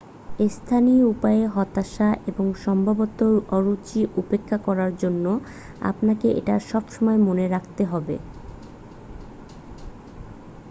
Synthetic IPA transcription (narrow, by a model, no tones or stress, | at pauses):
est̪ʰanioupaeɦɔt̪aʃaʔeboŋʃɔmbʱabot̪oɔɾut͡ɕiʔupekʰːakɔɾaɾd͡ʑonːo | a̰pnakeʔḛʈaʃɔbʃɔmɔemoneɾakʰt̪eɦɔbḛ